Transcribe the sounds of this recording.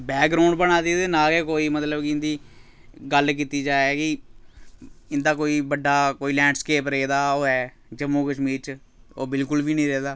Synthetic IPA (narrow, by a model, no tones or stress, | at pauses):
bɛːk̚ɡɾaːɳɖbəɽaːd̪iːd̪eːnaːkeːkoːiːmət̪ləbkɪɪ̃nd̪iː | ɡəlk̬iːt̪iːd͡ʒaːɛːkɪ | ɪnd̪aːkoːiːbəɖːaːkoːiːlɛ̃ːɳɖskeːpɾeːd̪aːoːɦɛː | d͡ʒəmːuːkəʃmiːɾt͡ʃ | oːbɪlkʊlʋiːnĩːɾeːd̪aː